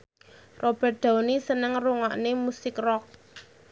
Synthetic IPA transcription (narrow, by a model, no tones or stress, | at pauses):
rʔob̥ɛ̤t̪̚d̪̥a̤wnisənəŋruŋaʔnemusɪkrɔk̚